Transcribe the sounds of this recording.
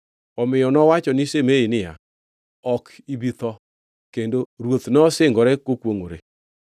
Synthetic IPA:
ɔmɪjɔnɔwat͡ʃɔnɪsemeinɪja̰ | ɔkibit̪ɔ | kendoɾwot̪nɔsɪŋɡɔɾɛkokwoŋoɾe

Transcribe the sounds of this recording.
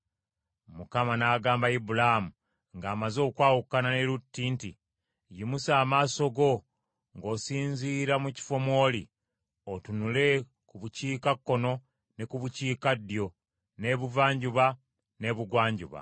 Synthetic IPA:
mukamanaːɡaːmbaibulamu | ŋɡaːmazo̞ːkwaːwukːananeɾutːiːntḭ | jimusaːmaːso̞ɡo̞ | ŋɡo̞ːsiːɲziːɾamuci̥fo̞mo̞ːli | otunule̞ | kuβuciːkakːo̞no̞ | ne̞kuβuciːkadːjo̞ | ne̞βuvaːɲɟuβa | ne̞βuɡwaːɲɟṵβa̰

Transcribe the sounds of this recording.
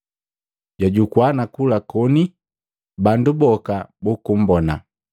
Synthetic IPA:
ɟaɟukwanakulakɔni | bandubɔkabukum̩bɔna̰

